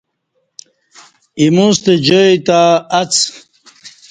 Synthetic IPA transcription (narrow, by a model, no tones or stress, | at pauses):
imust̪ed͡ʑojt̪aɐt͡s